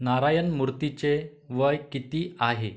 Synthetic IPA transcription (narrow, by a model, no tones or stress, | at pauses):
naɾajənmuɾt̪it͡ɕe | ʋəjkit̪iːaɦe